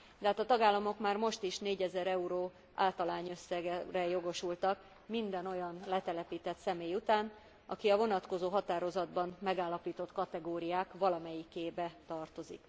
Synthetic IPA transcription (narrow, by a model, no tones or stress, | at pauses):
d̪̥ɛɦaːt̪ɒt̪ɒɡaːlːɒmo̞kmaːrmo̞ʃt̪iʃneːɟɛzɛɾɛuɾoː | a̰ːlt̪ɒlaːɲø̞sːɛɡɛrɛjo̞ɡo̞ʃult̪ɒk | mind̪ɛno̞jɒnlɛt̪ɛlɛpiːt̪ɛt̪sɛmeːjut̪aːn | ɒ̰kiɒvo̞nɒt̪ko̞zoːɦɒt̪aːɾo̞zɒd̪bɒmmɛɡaːlːɒpiːt̪o̞t̪kɒt̪ɛɡoːɾijaːkʋɒlɒmɛjikeːbɛt̪ɒrt̪o̞zḭk